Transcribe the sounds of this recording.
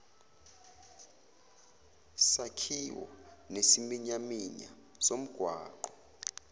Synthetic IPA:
sakʰiwɔ̰nesimiɲamiɲa̰ | som̩ɡ̥ʱwaːǃɔ

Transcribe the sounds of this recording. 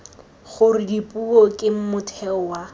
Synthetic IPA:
χʊrɪdipʼuɔkʼɪm̩mʊtʰɛwa

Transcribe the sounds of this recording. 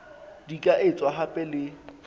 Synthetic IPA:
dikʼaʔɪt͡sʼwaɦapʼɛlɪ

